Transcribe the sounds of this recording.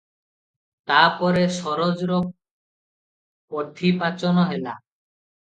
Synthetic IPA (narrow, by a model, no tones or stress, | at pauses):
t̪apɔɾeʃɔɾod͡ʑɾo | pod̪ʱːipat͡ɕonoɦela̰